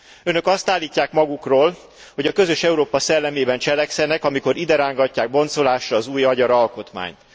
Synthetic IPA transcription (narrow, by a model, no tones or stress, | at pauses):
ønø̞kɒst̪aːlːiːcːaːkmɒɡukroːl | ho̞ɟɒkø̞zø̞ʃɛuɾoːpɒsɛlːɛmeːbɛnt͡ʃɛlɛksɛnɛkɒmiko̞ɾid̪ɛɾaːŋɡɒcːaːɡ̚bo̞nso̞laːʃrɒːzuːjɒɟɒɾɒlko̞t̪ma̰ːɲt̪